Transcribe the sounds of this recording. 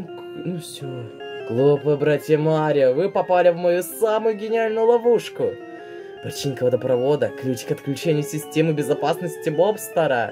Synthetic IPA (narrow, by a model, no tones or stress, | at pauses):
nufsʲo | klˠupɨbɾatʲɪjəmaɾʲɪəvɨpɐpalʲɪvmɐjusamʊjʊɡʲɪnʲɪalʲnʊjʊlˠɐvuʂkʊ | pɾɐt͡ɕinʲkəvəd̪əpɾɐvo̞d̪əkɾʲit͡ɕɪ̥kʲɐt̪klʲʉt͡ɕenʲɪjʊsʲɪsʲtʲemɨbʲɪzɐpasnəsʲtʲɪbopst̪ɐɾə